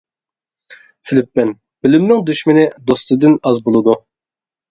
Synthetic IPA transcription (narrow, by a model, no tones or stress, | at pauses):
fɪlɪpːɪn | b̥ɪlɪmnɪŋd̪yʃmɪnɪd̪ost̪ɨd̪ɨnɑzbolˠɨd̪u